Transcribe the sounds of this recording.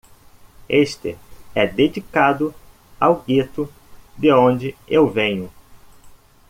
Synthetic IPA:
eʃt̪ɪ̰ɛd̪ed͡ʒikad̪ʊ | awɡit̪ʊ | d̪ɪõd͡ʒɪewvẽɲʊ

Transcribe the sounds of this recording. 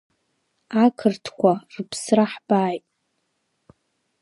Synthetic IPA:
akʰɨrtʰkʷʰarpʰsraħbaːjtʼ

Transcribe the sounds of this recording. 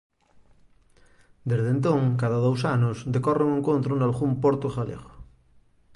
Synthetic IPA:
d̪ezðent̪õŋk̬aðaðowsanʊsd̪ekɔreŋẽŋkont̪ɾʊnalɣumpoɾt̪oɣalḛɣo

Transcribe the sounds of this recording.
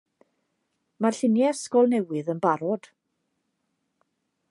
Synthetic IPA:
marɬɪnjɛskɔlˠnɛwɨðənbaɾɔd̥

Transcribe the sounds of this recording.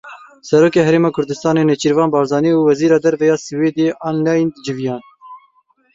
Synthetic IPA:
sɛɾoːkeːɦɛɾeːmɑːkʰʊɾd̪ɨst̪ɑːneːnɛt͡ʃiɾvɑːnbɑːɾzɑːniːuːwɛziːɾɑːd̪ɛɾvɛjɑːsɨweːd̪eʔɑːnlɑjnd̪ɨd͡ʒɨvjɑːn

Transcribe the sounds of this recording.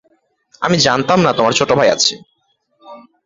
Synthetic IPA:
a̰mid͡ʑant̪amnat̪omaɾt͡ɕʰoʈobʱaja̰t͡ɕʰe

